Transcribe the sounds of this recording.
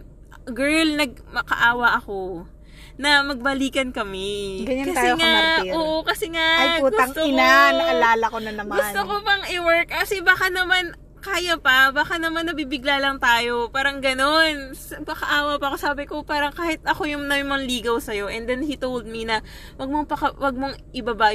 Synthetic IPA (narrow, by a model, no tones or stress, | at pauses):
ɡɛɹlnɐɡ̚mɐkɐʔaːwɐʔɐko̞ | nɐmɐɡ̚bɐliːkɐnkɐmɛɡɐkɐt̪ːɛŋaoːʔokɐsɛŋaɐjuɡʊɐŋt̪oɪanɐɐlaːlɐkonɐnɐmɡʊsnt̪okopɐŋʔɪwɛɹkkɐsɛbaːkanɐman | kaːjɐpɐbaːkanɐmanːɐbibɪɡlalɐŋt̪aːjo̞paːɾɐŋɡɐno̞nspɐkɐʔaːwɐpɐʔɐko̞saːbɪkopaːɾɐŋkaːhɪt̪̚ɐko̞jʊŋnɐɪŋmɐŋliːɡɐwsɐjo̞ʔɛnd̪ɛnhit̪owld̪̚mɪnɐ | wɐɡ̚moŋpɐkɐwɐɡ̚moŋʔɪbaba